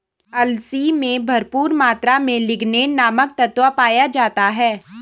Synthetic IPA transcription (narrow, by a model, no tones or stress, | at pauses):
ɐlsimẽbʱɐɾpuːɾmaːt̪ɾamẽlɪɡnenaːmək̚t̪ɐt̪wʋapaːjad͡ʒaːt̪aɦɛː